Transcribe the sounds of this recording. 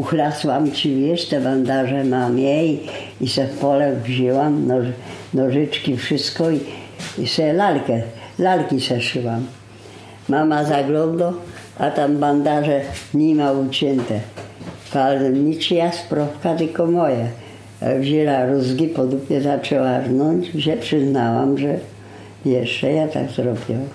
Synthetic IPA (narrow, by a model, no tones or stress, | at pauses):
uxlaswamt͡ɕivʲjɛʂt̪ɛband̪aʐɛmamjɛji | isɛfpɔlɛvʑiwamnɔnɔʐɪt͡ʂkʲifʂɪst̪kɔi | isɛlalkɛlalkʲisɛʂɪwamː | amazaɡlɔnd̪ɔ | at̪amband̪aʐɛɲimaut͡ɕɛnt̪ɛpalɲit͡ʂjaspɾɔpkat̪ɪlkɔmɔja̰ | vʑɛlaɾuzɡʲipɔd̪upɲɛzat͡ʂɛwaɾnɔɲd͡ʑvʑɛpʂɪznawa̰mʐɛ | vʲjɛʂɛjat̪a̰ɡzɾɔbʲiwa